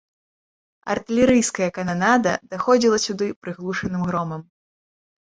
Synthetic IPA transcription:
ɐ̰rt̪ɨlʲɛɾɨjskɐjɐkananad̪ɐd̪̥axɔd͡zʲilˠɐsʲud̪ɨpɾɨɣlˠuʂɐnɨmɣɾɔmɐm

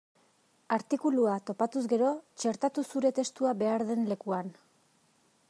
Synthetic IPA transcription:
aɾt̪ikuluat̪o̞pat̪uzɡe̞ɾo̞t͡ʃe̞ɾt̪at̪usuɾe̞t̪e̞st̪uaβe̞aɾðe̞nle̞kuan

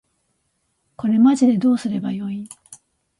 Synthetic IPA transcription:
ko̞ɾe̞maʑid̪e̞d̪o̞ːsɨɾe̞bajo̞ĩ

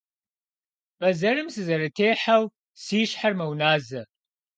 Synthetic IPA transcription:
b̥ɐzɐɾɨmsɨzɐɾɐtʰeːħaw | siːʃħarmɐwnaːzɐ

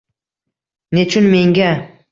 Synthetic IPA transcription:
net͡ʃʰʊnme̞ŋɡʲa

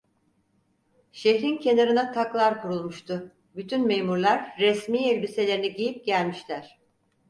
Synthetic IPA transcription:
ʃeçɾincʰe̞naɾɯnat̪ʰaklˠaɾkʰuɾulˠmuʃt̪ʰʊ | byt̪ʰynme̞jmuɾlˠaɾːɛsmiːɛlʲbise̞lʲeɾiniɟijip̚ɟælʲmiʃlʲæɾ̝̥

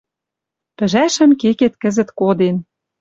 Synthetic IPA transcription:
pɘ̆ʒæʃə̆mkeket̪kə̆zə̆t̪kod̪en

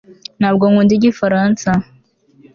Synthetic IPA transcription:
nhaːbɡoŋundiɟifaɾansa

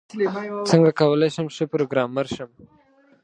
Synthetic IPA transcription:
t͡səŋɡakawəleʃəmʃəpɾoɡɾɑmːəɾʃəm

